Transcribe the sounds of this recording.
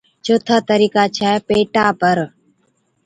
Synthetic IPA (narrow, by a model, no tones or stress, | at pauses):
t͡ʃoːt̪ʰaːt̪əɾiːkaːt͡ʃʰɛːpeːʈaːpəɾ